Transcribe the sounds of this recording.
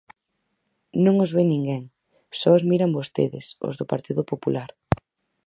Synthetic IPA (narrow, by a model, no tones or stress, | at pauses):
nõŋʊzβenĩŋɡɛŋ | sɔozmiɾɐmbost̪ḛðɪ̰sʊ̰zðʊpaɾt̪iðʊpopulaɾ